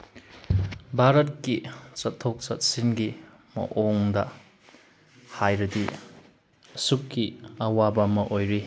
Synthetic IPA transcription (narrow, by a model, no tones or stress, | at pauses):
bʱaɾɐt̚kit͡ʃɐtʰːok̚t͡ʃɐt̚sinɡi | mɐ̰ʔoŋdɐ̰ | hajɾɐdi | sukːiɐwabamɐʔojɾi